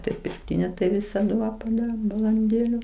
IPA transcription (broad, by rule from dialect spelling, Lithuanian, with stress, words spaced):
ˈtɐɪ pʲɪrkˈtʲɪnʲoː tɐɪ ˈʋʲɪsɐdʊ ˈʋɐ pɐˈdɑːroːm bɐlˠɐnʲˈdʲeːlʲʊ